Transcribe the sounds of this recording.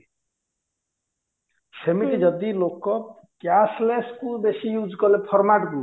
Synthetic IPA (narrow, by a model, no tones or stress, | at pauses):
semiɾid͡ʒɔd̪ilokːɔ | kjasleskubesijud͡ʒkɔlepʰɔɾmaʈku